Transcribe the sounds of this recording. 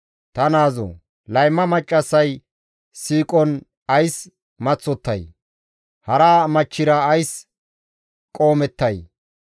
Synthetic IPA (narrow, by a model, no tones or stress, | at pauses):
t̪ɐnaːzɔ̰ | lɐjmːɐmɐt͡ʃʼːɐsːɐj | siːkʼɔn | ɐjs | mɐt͡sːɔt̪ːɐ̰j | hɐɾaːmɐt͡ʃːɪɾɐːjs | kʼo̞ːmɛt̪ːɐj